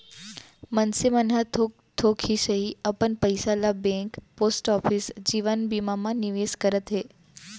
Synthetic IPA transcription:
mənsimənɦat̪ʰo | t̪ʰokʰhisəɦiəpəɳpəjsalabẽkposʈɔfʰisd͡ʑiʋənbimamãniʋeskəɾət̪ɦe

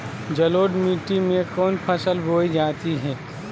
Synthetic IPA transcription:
d͡ʒɐloːɖmiːʈimẽkɔːnpʰəsəlbʱoːid͡ʒaːt̪iɦɛː

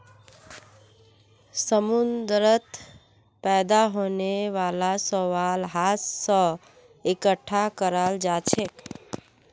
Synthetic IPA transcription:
səmund̪ɾət̪ | pɛd̪aɦoneʋalasəʋalɦassə̃ | ekəʈʰːakəɾald͡ʒat͡ʃʰek

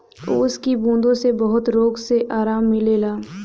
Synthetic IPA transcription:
ʊskibũːnd̪õsebɐɦʊt̪ɾoːɡseʔaːɾaːmːɪleːlaː

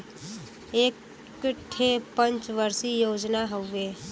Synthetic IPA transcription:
eːk | ʈʰepə̃nt͡ʃʋəɾsijoːd͡ʒnaɦoeː

